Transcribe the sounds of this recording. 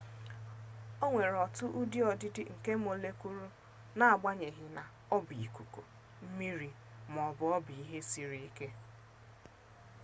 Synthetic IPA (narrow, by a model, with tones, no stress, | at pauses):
o˦ŋʷe˨ɾɔ˨tʊ˦ʔu˦di˦ɔ˨dɪ˦dɪ˦ŋ̩˨ke˦m̩˦o˨le˦ku˦ɾu˦ | na˨a˨ɡ͡ba˦ɲe˨ɦɪ˨na˨ | ɔ˦bi˨i˨ku˨ko̰˨ | m̩˦mi˦ɾi˨ | m˨ɔ˨bʊ˨ɔ˦bi˨i˦ɦe˦si˦ɾi˦i˦ke˦